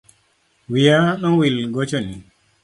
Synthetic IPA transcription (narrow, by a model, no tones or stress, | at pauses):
wijanɔnwilɡɔt͡ʃɔni